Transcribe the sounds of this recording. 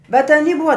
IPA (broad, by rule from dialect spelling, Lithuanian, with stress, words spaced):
bʲɛt ɐˈnʲiː ˈbʊʋɐ